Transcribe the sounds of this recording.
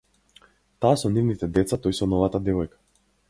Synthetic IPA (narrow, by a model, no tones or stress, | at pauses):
t̪aːsɔnivnit̪ɛd̪ɛt̪sat̪ɔjsɔnɔvat̪ad̪ɛvɔjkḁ